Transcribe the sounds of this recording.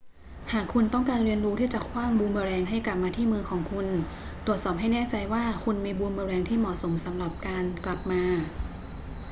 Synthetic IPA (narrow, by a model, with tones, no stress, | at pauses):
haː˨˩kʰːu˧nt̪ɔ˥˩ŋkaː˧nɾi˧ənɾuː˦˥t̪ʰiː˥˩t͡ɕa˨˩kʰwaː˥˩ŋbuː˧nbɯː˧ɾɛː˧ŋɦa˥˩jkla˨˩p̚maː˧t̪ʰiː˥˩mɯː˧kʰɔː˩˦ŋkʰu˧n | t̪ɾu˨˩ət̪̚sɔː˨˩p̚ɦa˥˩jnɛː˥˩t͡ɕa˧jwaː˥˩kʰu˧nmiː˧buː˧nbɯː˧ɾɛː˧ŋt̪ʰiː˥˩mɔː˨˩so˩˦msa˩˦mɾa˨˩p̚kaː˧nkla˨˩p̚maː˧